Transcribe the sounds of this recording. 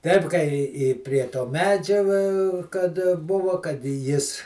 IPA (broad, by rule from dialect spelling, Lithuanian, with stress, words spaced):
ˈtʲɛɪp kɐɪ ɪ ɪ pʲrʲiɛ toː ˈmʲæːd͡ʒʲɛ ʋɐ kɐt ˈbʊʋoː kɐt ɪ ˈjɪs